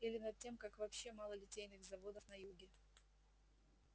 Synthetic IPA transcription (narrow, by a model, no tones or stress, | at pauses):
ilʲɪnɐd̪̚tʲːemkakvɐpɕːe̞malˠəlʲɪtʲejnɨɣzɐvo̞d̪əfnɐjuɡʲɪ